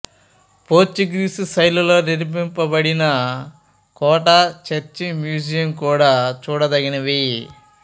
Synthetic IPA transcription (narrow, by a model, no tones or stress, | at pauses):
poːt͡ʃːiɡɾisisɐjlulo̞ːniɾp̬impɐbɐɽinɐ | kɔːʈat͡ʃet͡ʃːimjuːd͡ʒijɐmkuːɽaːt͡ʃuːɽɐd̪ɐɡinɐʋi